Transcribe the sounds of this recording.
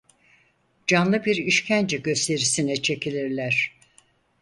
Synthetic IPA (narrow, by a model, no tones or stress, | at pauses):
d͡ʒanlˠɯbiɾiʃcʰænd͡ʒɛɟø̞st̪ʰe̞ɾisinɛt͡ʃʰe̞cʰilʲiɾlʲæɾ̝̥